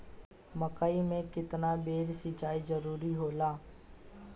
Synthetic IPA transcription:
məkaːimẽkɪt̪nabeːɾsɪt͡ʃaːizəɾuːɾiɦoːlaː

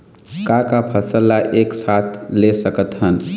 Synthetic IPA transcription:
kakapʰəsəlːaʔeksat̪ʰlesəkət̪ɦən

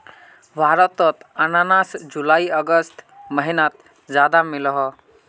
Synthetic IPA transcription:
bʱaɾɔt̪ɔt̪ənanasd͡ʒulaiəɡəst̪məɦinat̪̚ | d͡ʒad̪amilɦɔ

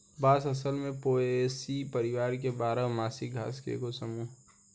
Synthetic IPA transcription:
baːsɐsəlmẽpoːesipəɾɪʋaːɾkebaːɾəmaːsiɡʱa̰ːskḛkosəmuːɦ

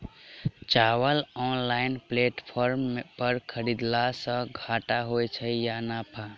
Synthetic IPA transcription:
t͡ʃawəlɔnlaɪnpleʈpʰɔɾmpəɾkʰəɾid̪lasə̃ɡʱaʈaɦojt͡ʃʰəjanapʰa

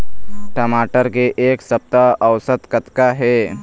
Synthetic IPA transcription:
ʈəmaʈəɾkeʔeksəp̚t̪aəwsət̪kət̪kaɦe

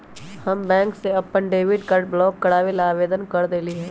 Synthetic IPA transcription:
hɐmbɛ̃ːŋkseɐpːənɖeːʋɪɖkɐʈblɔːkːɐɽaːʋelaːʋeːd̪ənkɐɾd̪eːliɦɛː

